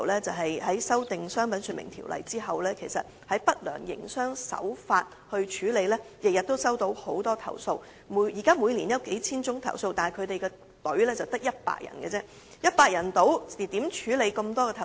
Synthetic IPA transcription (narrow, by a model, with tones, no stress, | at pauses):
wlɛː˥t͡sɐ˨˩wɦɐ˨jɦɐ˨˥jsɐ˥wt̪ɪ˨ŋsœː˥ŋpɐ˨˥nsy˧nmɪ̰˨˩ŋt̪ʰḭ˨˩wlʔɐ̰˨jt͡siː˥ɦɐ˨wlɛː˥kʰe˨˩jsɐ̰˨t̚hɐ˨˥jpɐ˥t̚lœ̰ː˨˩ŋjɪ̰˨˩ŋsœː˥ŋsɐ̰˨˥wfaː˧t̚hɵ˧ɥt͡ʃʰyː˨˧˥le˨˧jlɛː˥jɪ˨k̚jɐ˨t̚t̪o˥wsɐ˥wt̪o˧˥who˨˥wt̪ɔː˥t̪ʰɐ̰˨˩wso˧w | mu˨˥jiː˨˩kaː˥muː˨˧jniː˨˩njɐ˨˧wke˨˥jt͡sʰiː˥nt͡sʊ˥ŋt̪ʰɐ̰˨˩wso˧wt̪aː˨kʰɵ˨˧ɥt̪e˨jkɛː˧ | t̪ɵ˨˥ɥlɛː˥t͡sɐ˨wt̪ɐ˥k̚jɐ˥t̚pa̰ː˧k̚jʔɐ̰˨˩nkɛ˧t͡sɛː˥ | jɐ˥t̚paː˧k̚jɐ˨˩nt̪o˨˧˥wi˨t̪iː˨˥mt͡ʃʰyː˨˥le˨˧jkɐ˧mt̪ɔː˥kɛ˧t̪ʰɐ˨